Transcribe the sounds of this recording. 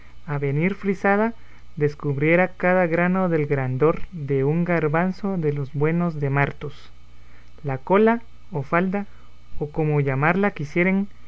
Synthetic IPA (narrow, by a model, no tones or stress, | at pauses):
aβe̞niɾfɾisaða | ðe̞skuβɾje̞ɾakaðaɣɾano̞ðe̞lɡɾand̪o̞ɾd̪e̞uŋɡaɾβanso̞ðe̞lo̞zbwe̞no̞zðe̞maɾt̪os | lako̞la | ofald̪a | oko̞mo̞ʝamaɾlakisje̞ɾeŋ